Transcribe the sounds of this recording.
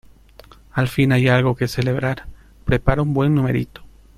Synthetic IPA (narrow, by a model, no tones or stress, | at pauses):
alfinajalɣo̞ke̞se̞le̞βɾaɾ | pɾe̞paɾaumbwe̞nːumeɾḭt̪o̥